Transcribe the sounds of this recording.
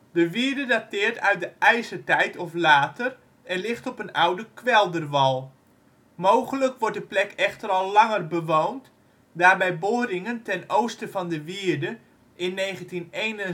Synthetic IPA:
dəʋiəɹdədatɪːɹtœɥt̚dəʔɛjsətɛjtʰɔflaːtər | ɛnlɪχtɔpənawdəkʰʋɛlˠdərʋɑlˠ | mowχələkʋɔɹt̚dəplɛkɛχtəɾɑlˠːɑŋərbəʋownt | daːrbɛjboːɾɪŋəntɛnowstəfɑndəʋiəɹdə | ʔɪnːeːχəntinejnən

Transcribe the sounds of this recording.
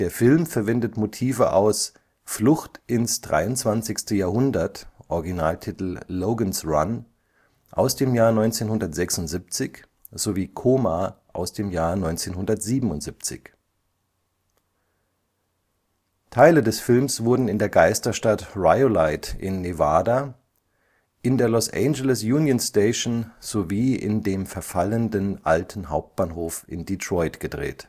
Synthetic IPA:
d̥eːɐfɪlmfɛɐvɛndətmotʰiːvəʔa̰ʊs | flʊxtʔɪnsd̥ʁa̰ɪʊntt͡sv̥ant͡sɪçstəjaːɐhʊndɐtʔɔʁɡinaːltʰitl̩ːoʊɡənsʁan | ʔa̰ʊsd̥eːmjaːɐnɔʏnt͡seːnhʊndɐtz̥ɛksʊntz̥ip̚t͡sɪç | z̥oviːkʰoːmaʔa̰ʊsd̥eːmjaːɐnɔʏnt͡seːnhʊndɐtz̥iːbm̩ʊntz̥ip̚t͡sɪ̰ç | tʰaɪlədɛsfɪlmsv̥ʊɐdn̩ɪndeːɐɡaɪstɐʃtatʁaɪolaɪtʔɪ̰nːevaːda | ʔɪndeːɐlɔsʔɛ̰nd͡ʒələsjuːnjonsteɪʃnz̥oviːɪ̰ndeːmfɛɐfaləndənʔaltʰn̩ɦaʊp̚t̚b̥aːnɦoːfʔɪ̰nditʁ̥ɔʏtɡ̥ədʁḛːt

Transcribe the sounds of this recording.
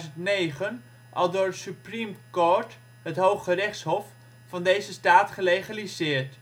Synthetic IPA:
zəntnejχən | ʔɑ̰lˠdʊːrsyprimkoɹt | ɦətɦowχərɛχtshɔf | fɑndejzəstaːtχəlejχalizɪːɹt

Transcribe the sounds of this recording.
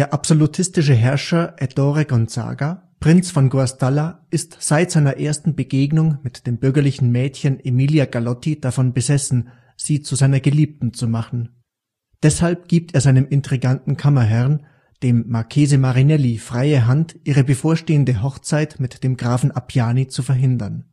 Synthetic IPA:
d̥eːɐʔapz̥olutʰɪstɪʃ̬əɦɛɐʃɐʔɛdɔʁeɡɔntz̥a̰ːɡa | pʁ̥ɪnt͡sfɔnɡoastalaʔɪstz̥aɪtz̥aɪnɐʔeːɐstn̩bəɡeːɡnʊŋmɪtd̥eːmbʏɐɡɐlɪçn̩mɛːtçənʔemiːljaɡalɔtid̥afɔnbəzɛsn̩ | z̥iːt͡suzaɪnɐɡəliːp̚tn̩t͡sumaχn̩ | d̥ɛshalp̚ɡ̥iːp̚teːɐzaɪnəmɪntʁ̥iɡantn̩kʰamɐɦɛʁn | d̥eːmːaɐkʰeːzəmaʁinɛlifʁ̥aɪəɦantʔiːʁəbəfoːɐʃteːəndəɦɔχt͡saɪtmɪtd̥eːmɡʁaːfn̩ʔapʰjaːnit͡sufɛɐɦɪndɐn

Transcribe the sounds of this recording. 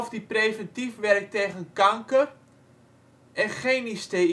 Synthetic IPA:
fdipreːvɛntifʋɛrk̚teːɣənkaŋkər | ʔɛnχejniste

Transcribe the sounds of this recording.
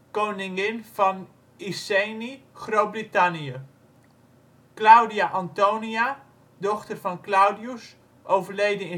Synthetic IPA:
kownɪŋɪnv̥ɑn | isejniχrow̚britɑnijə | klawdiaʔɑntownia | dɔχtərvɑnklawdius | ʔowvəɹlejdəɪ

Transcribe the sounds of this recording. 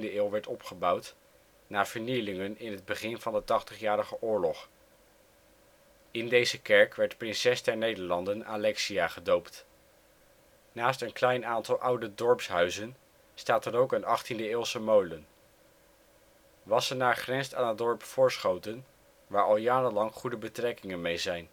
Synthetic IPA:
ndəɪːlˠʋɛɹtɔpχəbʌwt | naːɹv̥əɹnijlɪŋənɪnɦəd̚bəχɪnvɑndətɑχtəχjaːɾəχəʔʊːɹlɔχ | ɪndejzəkɛɹkʋɛɹtprɪnsɛsdɛɹnejdəɹlɑndəna̰lɛksiaːχədowpt | naːstənklɛjnaːntɑlˠʔʌwdədɔɹpsɦœɥzən | staːtəɾowkənɑχtindəɪːlˠsəmowlən | ʋɑsənaːɹχrɛnstaːnədɔɹpfʊːɹsχowtən | ʋaːɹɑlˠjaːɾənlɑŋχudəbətrɛkɪŋənmejzɛjn

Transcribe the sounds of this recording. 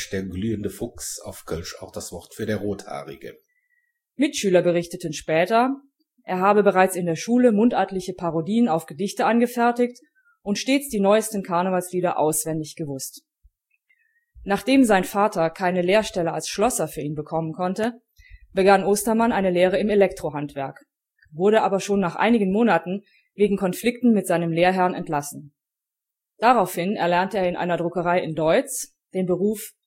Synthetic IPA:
d̥eːɐɡlyːəndəfʊksaʊfɡ̥ʰœlʃa̰ʊxd̥asv̥ɔʁtfyːɐdeːɐʁoːtha̰ːʁɪ̰ɡə̰ | mɪtʃyːlɐbəʁ̞ɪçtətn̩ʃpɛːtɐ | ʔeːɐɦaːbəbəʁaɪt͡sɪndeːɐʃuːləmʊntʔaːtlɪçəpʰaʁodiːənaʊfɡ̥ədɪçtəʔanɡəfɛɐtɪçt | ʔʊntʃteːt͡sd̥iːnɔʏəstn̩kʰaɐnəvalsliːdɐʔaʊsv̥ɛndɪçɡ̥əvʊst | naːχd̥eːmzaɪnfaːtʰɐkʰaɪnəleːɐʃtɛləa̰lsʃlɔsɐfyːɐiːnbəkʰɔmənkʰɔntə | b̥əɡanʔoːstɐmanʔaɪnəleːʁ̞əɪmelɛktʁ̥oɦantv̥ɛɐk | vʊɐɾəʔaːbɐʃoːnːaːχʔa̰ɪnɪɡn̩moːnatn̩ | veːɡŋ̩kʰɔnflɪktn̩mɪtz̥aɪnəmleːɐɦɛɐnɛ̰ntlasn̩ | d̥aʁaʊfhɪnɛ̰ɐlɛɐntəeːɐɪnʔa̰ɪnɐdʁʊkəʁaɪɪndɔʏt͡s | d̥eːnbəʁuːf

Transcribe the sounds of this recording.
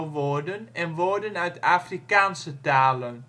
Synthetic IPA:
ʋɔdənɛnʋɔdənœɥtʰafrikaːnsətaːlən

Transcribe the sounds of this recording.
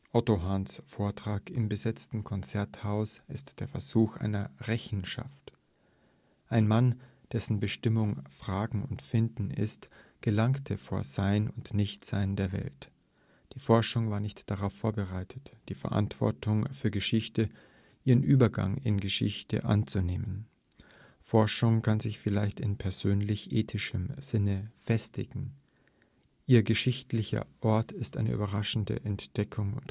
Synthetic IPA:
ʔɔtoɦaːnsfoːɐtʁ̥aːkɪmbəzɛt͡stn̩kʰɔnt͡sɛɐthaʊsʔɪstd̥eːɐfɛɐzuːxʔa̰ɪnɐʁɛçn̩ʃa̰ft | ʔaɪnman | d̥ɛsn̩bəʃtɪmʊŋfʁ̥aːɡŋ̩ʊntfɪndn̩ɪ̰stɡ̥əlaŋktʰəfoːɐz̥aɪnʊntnɪçtz̥aɪndeːɐvɛ̰lt | d̥iːfɔɐʃʊŋvaːɐnɪçtd̥aʁaʊfːoːɐbəʁaɪtʰətd̥iːfɛɐʔa̰ntv̥ɔ̰ɐtʰʊŋfyːɐɡəʃɪçtə | ʔiːʁənʔyːbɐɡa̰ŋɪ̰nɡəʃɪ̰çtə̰ʔa̰nt͡suneːmən | fɔɐʃʊŋkʰanzɪçfɪlaɪçtɪnpʰɛɐzøːnlɪçʔeːtʰɪʃəmz̥ɪnəfɛstɪ̰ɡ̥ŋ̩ | ʔiːɐɡəʃɪçtlɪçɐ̰ʔɔɐtʰɪstʔa̰ɪnə̰ʔy̰ːbɐʁaʃn̩də̰ʔɛntd̥ɛkʰʊŋʊ̰nt

